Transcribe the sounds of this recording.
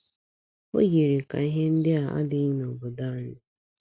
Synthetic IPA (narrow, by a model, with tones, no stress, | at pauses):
o̰˦ɡe˨ɾe˨ka̰˨i˦ɦe˦n̩˦dɪ˦a˨a̰˦dɪ˦i˦nɔ˨bʊ˨da˦˨ɲɪ˦